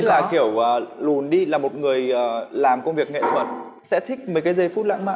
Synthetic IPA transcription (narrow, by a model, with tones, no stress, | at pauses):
laː˨˩xi˧˩əwəː˨˩lu˨˩nɗi˧laː˨˩mo˨˩t̚ŋɨ˨˩əjəː˨˩laː˨˩mkə˧wŋ͡mvi˨˩ək̚ŋḛ˧˨t̪ʰwə̰˧˩˨n | sɛ̰˧˥t̪ʰï˦˥k̚mə˨˩jkaː˨˦jzə˧jfu˦˥t̚la̰ː˧˥ŋma̰ː˧